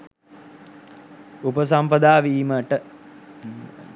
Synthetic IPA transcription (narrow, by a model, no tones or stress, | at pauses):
upəs̬ampɐd̪aːʋiːməʈə